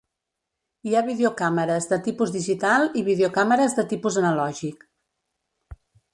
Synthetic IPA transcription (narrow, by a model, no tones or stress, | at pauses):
iaβiðeukaməɾəzðət̪ipuzðiʒit̪alˠiβiðeukaməɾəzðət̪ipuzənəlɔʒik